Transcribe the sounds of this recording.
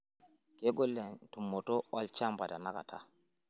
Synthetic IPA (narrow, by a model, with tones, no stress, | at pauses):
ke˦ɡo˦lːɛ˨ntu˨mːɔ˨to˦ɔ˦lt͡ʃa˦mba˨da˨na˦ka̰˨tʰa̰˦